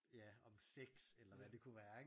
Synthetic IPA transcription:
jæɒ̽mseɡ̥selɐʋæd̥e̝kʰuʋæːɐe

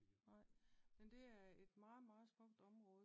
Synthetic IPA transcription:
nɑ̈ɪ̰mend̥e̝æɐe̝d̥mɑ̈ːð̩ˠmɑ̈ːð̩ˠsm̥ɔ̽ɡ̥̚d̥ɒ̽mʁɔ̽ːðˠ

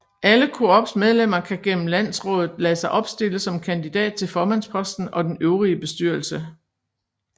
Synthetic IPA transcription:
ʔæləkʰo̝ɒb̥smeð̞ˠlem̰ɐkʰæɡ̥en̰m̩læn̰sʁɔ̽ːðð̩ˠlɛːsɑ̈ɪʔɒ̽b̥sd̥e̝ləsɒ̽mkʰænd̥id̥ɛ̰ːd̥̚t͡sʰe̝lfɒːmæn̰spʰɒ̽sd̥n̩ɒ̽d̥enøʊʁiəb̥e̝sd̥yɐlsə

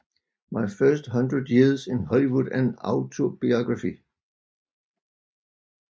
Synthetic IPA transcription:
mɑɪfɜsd̥ɦʌ̃ndɹədjiɐðsẽnɦɒliʋudæ̃nä̰ʊt͡sʰob̥iɑɡ̥ʁɑfi

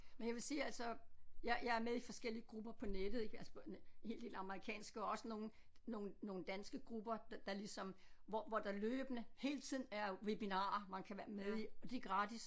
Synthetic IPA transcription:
menjɑ̈ʋe̝siːælsɒ̽jɑjɑ̈ɪæɐmeðˠifɒ̽sɡ̥el̰iəɡ̥ʁub̥ɐpʰɒ̽ned̥ðˠeɡælshe̝̰ːld̥e̝ːlɑ̈məʁikʰɛ̰ːnsɡ̥əɒ̽ɒ̽səno̝ːn̩ | no̝ːn̩ːo̝ːn̩d̥ænsɡ̥əɡ̥ʁub̥ɐd̥d̥ɑ̈lisɒ̽m | ʋɒʋɒd̥ɑløːb̥ənəhe̝̰ːlt͡sʰið̞̰ˠn̩æɐʋeb̥inɑ̈ːɐmænkʰæʋæɐmeðˠiɒd̥e̝ɡ̥ʁɑ̈d̥is

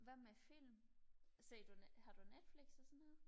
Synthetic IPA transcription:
ʋæmæfil̰mse̝d̥unhɑ̈d̥unːed̥fliɡ̥ssɔnhe̝ð̰ˠ

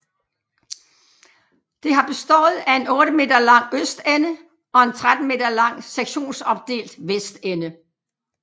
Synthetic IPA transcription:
d̥e̝ɦɑ̈b̥e̝sd̥ɔ̰ːð̩ˠæe̝nɔ̽ːɾ̥əme̝̰ːd̥ɐlɑ̈ŋ̰øsd̥enə | ɒ̽e̝nt͡sʰʁad̥n̩me̝̰ːdɐlɑ̈ŋ̰seɡ̥ɕo̝̰ːnsɒ̽b̥̚d̥e̝̰ːld̥ʋesd̥enə

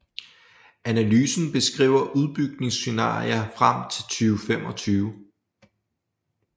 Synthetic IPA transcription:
ænælyːsn̩b̥e̝sɡ̥ʁḭʊɐʔuð̞ˠb̥yɡ̥ne̝ŋsːe̝nɑ̰̈ːḭɐfʁam̰t͡sʰe̝lt͡sʰyːʊfemɒ̽t͡sʰyːʊ

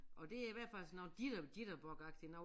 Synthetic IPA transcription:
ʔɒ̽d̥e̝æiʋæɐ̰dfæl̰snːɑ̈ʊnd̥iɾ̥ɐd̥iɾ̥ɐb̥ɒɡ̥ɑ̈ɡ̥̚d̥inɑʊ

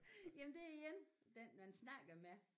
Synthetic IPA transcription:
jæmnd̥e̝æiɡ̥end̥enmænsnɑ̈ɡ̥ɐme

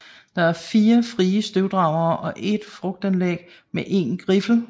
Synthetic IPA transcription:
d̥ɑ̈æɐfiːɐfʁiːəsd̥øʊd̥ʁɑ̈ʊ̰ɐːʔɒ̽ʔe̝d̥fʁɔ̽ɡ̥̚d̥ænlḛɡ̥ | meʔe̝nɡ̥ʁifl̩

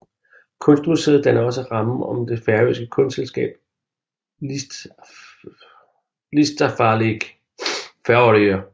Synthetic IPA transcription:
kʰɔ̽nsd̥ʁuse̝ð̩ˠd̥enɐɒ̽s̬əʁɑ̈m̩ɒ̽md̥e̝fæɐø̰sɡ̥əkʰɔ̽nd̥selsɡ̥ɛ̰ːb̥ | lisd̥ɐfɑ̈ːleɡ̥ | fæɐɒɾiɐ

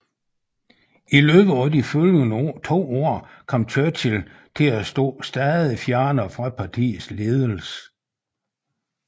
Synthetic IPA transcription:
ilø̰ːb̥ð̩ˠæd̥ifølənt͡sʰo̝̰ːɒɐ̰ | kʰɒ̽m̰t͡sʰøt͡sʰel | t͡sʰe̝læsd̥ɔ̰ːsd̥æːðˠifjæɐnəfʁɑ̈pʰɑ̈t͡sʰḭːð̩ˠsle̝ːð̞ˠəl̩s

